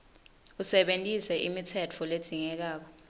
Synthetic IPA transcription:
usɛɓentʼisɛʔimitʰɛt͡fʰɔled̥d̥ʱiŋɛk̬aːk̬ɔ

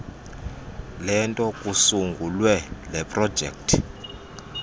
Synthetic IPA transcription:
lɛntʼɔkʼusuŋɡʱulwɛlɛpʼrɔ̥d͡ʒʱɛ̰ktʰ

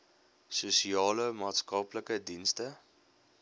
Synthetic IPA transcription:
susiɑːləmɑːtskɐpləkədinstə

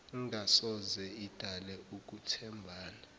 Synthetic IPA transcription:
ŋasɔzɛid̥ʱalɛuk̬ʼutʰɛmbʱaːna

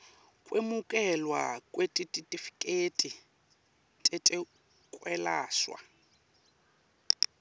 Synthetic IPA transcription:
kʼwemukʼɛlwa̰kʼwetʼitʼitʼifi̥kʼetʼi | tʼetʼɛ | kʼwɛlaːswa̰

